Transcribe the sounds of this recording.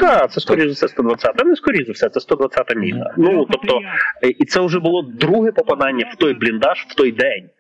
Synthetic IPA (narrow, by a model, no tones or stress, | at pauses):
kɑt̪sɛskɔɾʲizˠʊsʲɛst̪ɔd̪ʋɐt͡sʲːat̪ɛnɛskɔɾʲizɪwsʲɛt̪sɛst̪ɔd̪ʋɐt̪t͡sʲat̪ɐmʲḭnɐ̰nut̪ɔp̚t̪ɔʔit̪sɛʊʒɛbʊlˠɔd̪ɾuɦɛpɔpɐd̪ɑnʲːɐw̥t̪ɔjblʲind̪ɑʃw̥t̪ɔjd̪ɛnʲ